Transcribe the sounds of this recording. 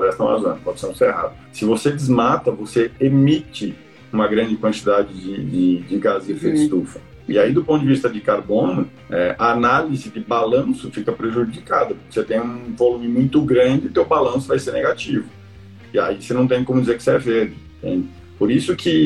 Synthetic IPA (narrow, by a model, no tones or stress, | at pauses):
ɾɛst̪ɐ̃w̃a̰uɐ̃nd̪ʊpɔd͡ʒɪseñseɾeɦa̰d̪ʊsɪvosed͡ʒɪzmat̪ɐvoseemit͡ʃɪ | ũmɐɡɾɐ̃nd͡ʒɪkwɐ̃nt͡ʃid̪ad͡ʒɪd͡ʒɪd͡ʒɪd͡ʒɪɡazefeɪst̪ufɐ̥ | ɪaid̪ʊpõt̪ʊd͡ʒɪvist̪ɐd͡ʒɪkaɾbõnʊ | ɛʔaːnalizɪd̪ɪbalɐ̃sʊfikɐpɾeʒud͡ʒika̰d̪ɐpʊɾkɪ̥set̪ẽj̃ũvolumɪmũj̃t̪ʊɡɾɐ̃d͡ʒɪʊt̪ewbalɐ̃sʊvajseɾneɡat͡ʃivʊ | ɪa̰isenɐ̃w̃t̪ẽj̃kõmʊd͡ʒizeɾkɪ̥seɛveɾd̪ɪ̃ | t̪ḛ̃j̃ | poɾisʊkʰɪ